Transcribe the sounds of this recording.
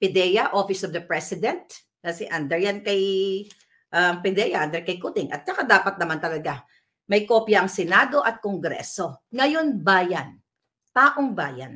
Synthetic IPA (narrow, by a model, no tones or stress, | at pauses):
pɪd̪ɛjɐʔofɪsɔvd̪ɐpɹɛsɪd̪ɛnt̪̚ | kɐsɛʔɐnd̪ɛɹjankɐj | ʔɐŋpɪd̪ɛjɐʔɐnd̪ɛɹkɐjkut̪ɪŋʔɐ̰t̪̚t͡ʃɐkad̪aːpɐt̪̚nɐmant̪ɐlɐɡa | mɐjko̞ːpjɐʔɐŋsɛnaːd̪o̞ʔɐt̪̚koŋɡɾɛ̰ːso̞ŋɐjo̞nbaːjɐn | t̪aːʔoŋbaːjɐ̰n